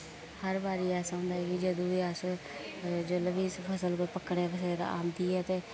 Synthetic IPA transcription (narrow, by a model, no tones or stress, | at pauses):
həɾbaːɾiːɛːsãːnd̪aːɦɛːkɪd͡ʒəd̪õːʋiəs | d͡ʒələbispʰəsəlkəpəkːɽeːpʰəseɾa̰ːmd̪iːɦɛːt̪eː